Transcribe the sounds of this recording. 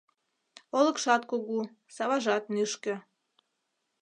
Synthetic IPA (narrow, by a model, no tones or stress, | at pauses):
olə̆kʃɑt̪̚koɣu | sɑβɑʒɑt̪̚nyʃkə̆